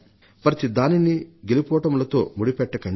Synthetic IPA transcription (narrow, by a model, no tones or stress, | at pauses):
pɾɐt̪id̪aːniniɡelipɔːʈɐmlɐt̪o̞̰ːmuɽipɛʈːɐkɐ